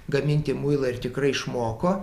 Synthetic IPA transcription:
ɡɐmʲɪnʲt̪ʲɪmuɪlˠɐɪrt̪ʲɪkrɐɪɪʃmoːkoː

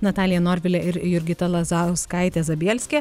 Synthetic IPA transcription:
nɐt̪ɑːlʲɪjɛnoːɾʲʋʲɪlʲɛʔɪɾɪjʊɾʲɡʲɪt̪ɐlˠɐzɑʊskɐˑɪt̪ʲɛːzɐbʲiːɛlʲsʲkʲeː

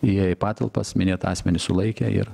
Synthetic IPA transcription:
ɪjɛɪpɑːt̪ɐlˠpɐ̰smʲɪnʲeːt̪ɑːsʲmʲɛnʲɪsʊlˠɐɪkʲɛɪ̰ɾ

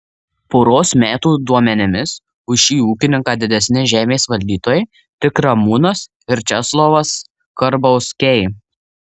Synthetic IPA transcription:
poːɾoːsmʲæːt̪uːd̪uɔmʲɛnʲɪmʲɪs | ʊʃiːuːkʲɪnʲɪŋkɑːd̪ʲɪd̪ʲɛsʲnʲɪʒʲæːmʲeːsʋɐlʲd̪ʲiːt̪oːjɛɪ | t̪ʲɪkɾɐmuːnɐs | ɪɾʲt͡ʃʲɛslˠoʋɐs | kɐɾbɐʊskʲɛj

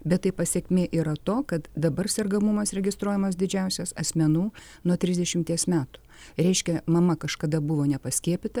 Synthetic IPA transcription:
bʲɛt̪t̪ːɐɪpɐsʲɛkʲmʲeːʔiːɾɐt̪oːkɐt̪d̪ɐbɐrsʲɛrɡɐmʊmɐsɾʲɛɡʲɪst̪ɾuɔjɛmɐs̬d̪ʲɪd͡ʒʲɛʊsʲɛsɐsʲmʲɛnuː | nuɔt̪ʲɾʲɪzd̪ʲɛʃʲɪmʲt̪ʲiɛsmʲæːt̪ʊ̥ | ɾʲɛɪʃʲkʲɛmɐmɐkɐʃkɐd̪ɐbʊʋoːnʲɛpɐsʲkʲiɛpʲɪt̪ɐ

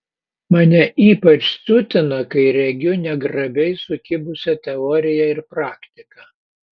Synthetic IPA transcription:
mɐnʲɛʔiːpɐt͡ʃsʲʊt̪ʲɪnɐkɐɪɾʲɛɡʲʊnʲɛɡɾɐbʲɛɪsʊkʲɪbʊsʲɛt̪ʲɛɔːɾʲɪjɛɪɾpɾɑːkt̪ʲɪkɐ

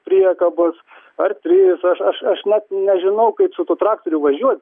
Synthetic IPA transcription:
pʲɾʲiɛkɐbʊs | ɐrt̪ʲɾʲɪsɐʃɐʃɐʃnʲɛt̪nʲɛʒʲɪnɐʊkɐɪpsʊt̪uːt̪ɾɑːk̚t̪ɔɾʲʊʋɐʒʲuɔt̪̚ʲ

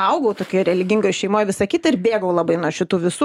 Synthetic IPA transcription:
ɐʊɡɐʊt̪oːkʲoːɾʲɛlʲɪɡʲɪŋɡojʃʲɛɪmoːjʋʲɪsɐkʲiːt̪ɐɪɾbʲeːɡɐʊlˠɐbɐɪnuɔʃʲɪt̪uːʋʲɪsuː

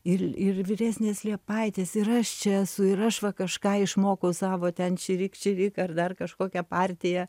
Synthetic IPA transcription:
ɪrɪrʋʲɪɾʲæːsʲnʲeːslʲiɛpɐɪt̪ʲeːsɪɾɐʃt͡ʃʲɛɛsʊɪɾɐʃʋɐkɐʃkɑːɪʃmoːkɐʊsɑːʋoːt̪ʲɛnt͡ʃʲɪɾʲɪkt͡ʃʲɪɾʲɪkɐrd̪ɐrkɐʃkoːkʲɛpɑːrʲt̪ʲɪjɛ

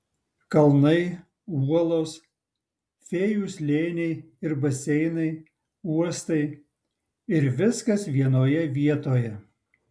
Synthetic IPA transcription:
kɐlˠnɐɪ | uɔlˠoːs | fʲeːjuːslʲeːnʲɛɪ | ɪɾbɐsʲɛɪnɐɪ | uɔst̪ɐɪ | ɪɾʋʲɪskɐsʋʲiɛnoːjɛʋʲiɛt̪oːjɛ

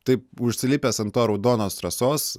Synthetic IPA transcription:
t̪ɐɪpʊʃʲsʲɪlʲɪpʲeːsɐnt̪oːɾɐʊd̪oːnoːst̪ɾɐsoːs

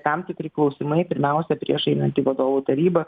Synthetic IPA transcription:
t̪ɐmt̪ʲɪkɾʲɪklˠɒʊsʲɪmɐɪpʲɪɾʲmʲæˑʊsʲɛpʲɾʲḭɛʃɛɪnɐnʲt̪ʲiːʋɐd̪oːʋuːt̪ɐɾʲiːbɐ

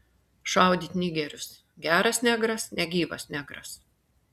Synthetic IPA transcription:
ʃɑˑʊd̪ʲiːt̪ʲnʲiɡʲɛɾʲʊs | ɡʲæːɾɐsnʲæɡɾɐsnʲɛɡʲiːʋɐ̰sʲnʲæɡɾɐ̰s

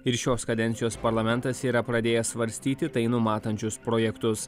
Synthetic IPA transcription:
ɪɾʃʲoːskɐd̪ʲɛnʲt̪ʲɪjoːspɐɾlˠɐmʲɛnt̪ɐsiːɾɐpɾɐd̪ʲeːjɛsʋɐɾʲsʲt̪ʲiːt̪ʲɪt̪ɐɪnʊmɑːt̪ɐnʲt͡ʃʲʊspɾoːjɛkt̪ʊs

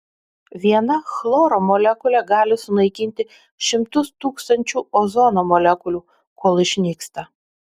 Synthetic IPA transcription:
ʋʲiɛnɐxlˠoːɾomɔlʲækʊlʲɛɡɑːlʲɪsʊnɐɪkʲɪnʲt̪ʲɪ | ʃʲɪmt̪ʊst̪uːkst̪ɐnʲt͡ʃʲuːɔzɔnomɔlʲɛkʊlʲuː | koːlˠɪʃʲnʲiːkst̪ɐ

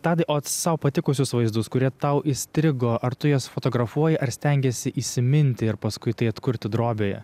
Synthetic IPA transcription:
t̪ɑːd̪ɐɪʔoːt̪sɐʊpɐt̪ʲɪkʊsʲʊsʋɐɪzd̪ʊskʊɾʲiɛt̪ɐʊʔɪsʲt̪ʲɾʲɪɡoːʔɐɾt̪ʊjoːsfoːt̪oːɡɾɐfuɔjɪʔɐɾsʲt̪ʲɛŋʲɡʲɛsʲɪʔiːsʲɪmʲɪnʲt̪ʲɪɪɾpɐskʊɪt̪ɐɪɐt̪kʊɾʲt̪ʲɪd̪ɾoːbʲeːjɛ̰

